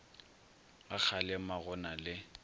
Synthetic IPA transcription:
ak͡xʰalɛmaɣʊnalɪ

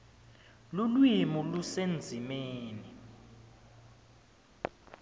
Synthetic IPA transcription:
lulwimulusend͡zʱimeːni

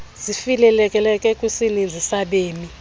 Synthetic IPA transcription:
zifilɛlɛk̬ʼɛlɛkʼɛkʼusinind͡zʱisaɓeːmi

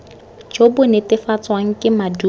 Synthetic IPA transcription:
d͡ʒobʊnetɪfat͡sʼwaŋ̩kʼɪmadu

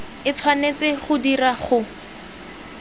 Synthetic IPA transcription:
ɪt͡sʰwanet͡sɪχʊdiraχʊ

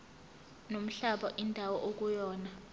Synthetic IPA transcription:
nom̩ɬaɓɔʔindʱawɔʔok̬ʼujɔːna

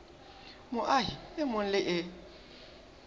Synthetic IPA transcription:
mʊʔaɦiɪmʊn̩lɪʔɪ

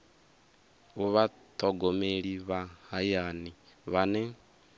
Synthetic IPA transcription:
oβa | tɔɡɔmeliβahajani | βanɛ

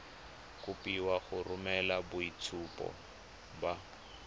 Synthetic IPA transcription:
kʊpiwaχʊrumɛlabʊit͡sʰupɔ̰ | ba

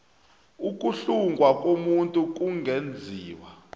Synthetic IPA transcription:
uk̬ʼuɬuŋʱwak̬ʼomuntʼuk̬ʼuŋʱend͡zʱiːwa

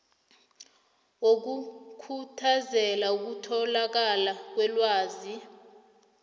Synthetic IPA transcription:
wok̬ukʰutʰazɛlauk̬utʰɔlak̬alak̬wɛlwaːzi

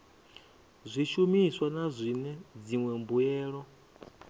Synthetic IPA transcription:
zʷiʃumiswanazʷinɛd͡ziŋwɛmbujɛːɺɔ

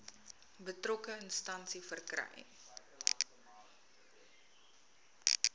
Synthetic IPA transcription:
bətrɔkəənstɐnsifərkrɐ̰j̰

